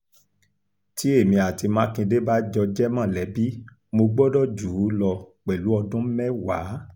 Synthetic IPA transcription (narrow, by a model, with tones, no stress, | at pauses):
ti˨˦e˦˨mĩ˧a˨ti˧mã˨˦kĩ˧de˦ba˦d͡ʒɔ˧d͡ʒɛ˦mã˦˨lɛ˨˦bi˦ | mo˧ɡ͡bɔ˦dɔ˦˨d͡ʒu˨˦lɔ˧k͡pɛ˨lu˨˦ɔ˧dũ˦m̩˦mɛ˦wa˨˦